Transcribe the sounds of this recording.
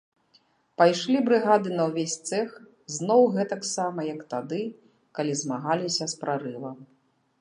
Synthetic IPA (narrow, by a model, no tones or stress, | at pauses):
pajʂlʲibɾɨɣad̪ɨnɐwvʲesʲt̪sɛx | znɔwɣɛt̪ɐksamɐjɐkt̪ad̪ɨ | kalʲizmaɣalʲisʲɐspɾaɾɨvɐ